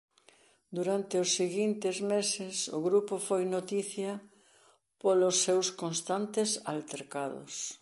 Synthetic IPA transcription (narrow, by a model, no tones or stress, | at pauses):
d̪uɾant̪eʊsːeɣint̪ɪzmesɪsʊ̰ɣɾupofojnot̪iθjɐ | polʊsːewskonst̪ant̪ɪsalt̪eɾkaðʊ̰s